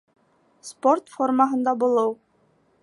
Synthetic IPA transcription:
sport̪formaɦɤ̆nd̪ɑbulˠɤw

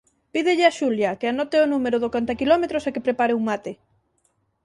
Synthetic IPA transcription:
piðɪʎɪaʃuljɐkeanɔt̪eonumeɾoðokant̪akilɔmet̪ɾosekepɾepaɾeuŋmat̪ɪ

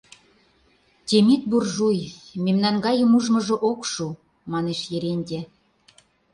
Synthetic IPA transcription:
t̪ʲemit̪̚burʒujmemnɑnɡɑjə̆muʒmɤ̆ʒɤ̆ʔokʃu | mɑneʃjeɾenʲdʲe

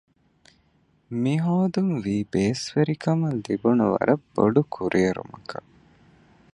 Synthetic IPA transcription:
miɦoːd̪unʋiːbeːsʋeɾikɐmɐlibunuʋɐ̰ɾɐbːoɖukʰuɾʔeːɐɾṵmɐkɐ

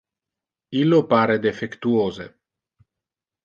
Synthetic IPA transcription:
ilːopaːɾed̪efekt̪uoːzḛ

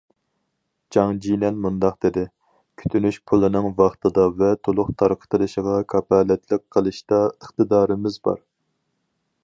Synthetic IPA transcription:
d͡ʒɑŋd͡ʒinɛnmund̪ɑq̚d̪̥ed̪ɪ | kʲʰy̥t̪ʰynyʃpʰulˠɨnɨŋvɑχt̪ʰɨd̪ɑvɛt̪ʰolˠʊqt̪ʰɑɾqʰə̥t̪ʰɨlˠɨʃəʁɑkʰɑpʰɑːlɛt̪ʰlɪk̚ʲqʰːəlˠɨʃt̪ɑəχt̪ɨd̪ɑːɾɨmɪzbɑ̰ɾ

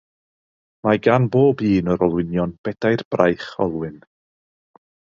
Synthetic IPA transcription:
maɡanboːbiːnəɾɔlˠwɪnjɔnb̥ɛd̥ajrb̥rajχɔ̰lˠwɪn

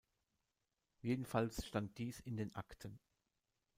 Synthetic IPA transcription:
jeːdn̩falsʃtant̚d̥iːsɪndeːnʔa̰ktʰən

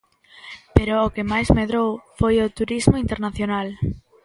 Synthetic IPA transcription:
peɾoːkemajzmeðɾowfojot̪uɾizmoint̪eɾnaθjonal

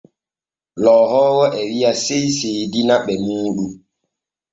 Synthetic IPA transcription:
lɔːhɔːwɔʔɛwiasejsedinaɓɛmuːɗu

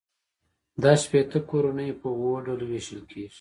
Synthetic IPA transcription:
d̪ɑʃpet̪əkoɾunəjpəwwoɖoloweʃəlkʰeːʐ̥

